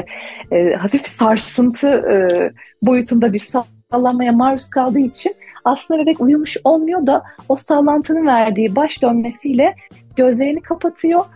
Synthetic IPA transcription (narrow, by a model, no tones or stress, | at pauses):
ɛɦafifsaɾsɯnt̪ʰɯɯbo̞jut̪ʰund̪abiɾsa | lˠanmajamaɾuskʰalˠd̪ɯːit͡ʃʰinaslɯnd̪eɾɛcujumuʃo̞lˠmujo̞d̪ao̞saːlˠant̪ʰɯnɯnvæɾd̪iːbaʃd̪ø̞nme̞sijlʲɛ | ɟ̥ø̞zlʲe̞jinikʰapʰat̪ʰɯjo̞